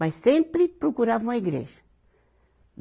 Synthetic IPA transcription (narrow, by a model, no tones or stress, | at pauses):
ɐsẽmpɾɪpɾokuɾavũmɐiɡɾḛʒɐ